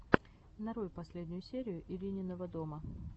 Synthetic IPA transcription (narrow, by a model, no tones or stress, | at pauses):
nɐɾujɪpɐsʲlʲedʲnʲʊjʊsʲeɾʲɪjʊʔɪlʲinʲɪnːəvəd̪o̞mə